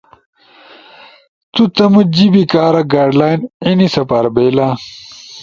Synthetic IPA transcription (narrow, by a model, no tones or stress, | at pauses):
t̪ut̪ɐmud͡ʑibikaːɾɐɡaːɖlaːjninisɐpaːɾbeːla